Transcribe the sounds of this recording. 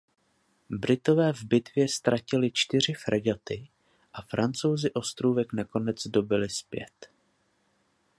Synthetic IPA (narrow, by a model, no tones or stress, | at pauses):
bɾɪt̪o̞vɛːvbɪt̪vjɛst̪ɾʔacɪlɪt͡ʃt̪ɪr̝ɪfɾɛɟat̪ɪ | ʔafɾant͡so̞wzɪʔo̞st̪ɾuːvɛknako̞nɛd͡zdo̞bɪlɪspjɛ̰t̪